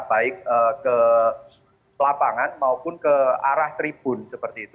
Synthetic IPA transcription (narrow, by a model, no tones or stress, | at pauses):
b̥aɪk̚əkə | pəlapaŋanmaupʊnkəa̰ɾaht̪ɾib̥ʊ̤nsəpərt̪iːt̪u